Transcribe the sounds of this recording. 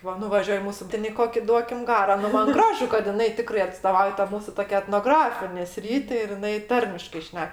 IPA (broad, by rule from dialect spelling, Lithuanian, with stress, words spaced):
ˈʋɐ nʊʋɐˈʒʲuɔj ˈmuːsʊ ˈtʲeːn ɪ ˈkoːkʲɪ ˈduɔkʲɪm ˈɡɑːroː ˈnʊ ˈmɐn ˈɡrɑːʒʊ kɐt jɪˈnɐɪ ˈtʲɪkrɐɪ ɐtstoːˈʋɐʊjɛ tɐ ˈmuːsʊ ˈtoːkʲɛ ɛtnoːˈɡrɑːfʲɪnʲeː ˈsʲrʲiːtʲɪ ɪr jɪˈnɐɪ ˈtɐrʲmʲɪʃkɐɪ ˈʃʲnʲɛk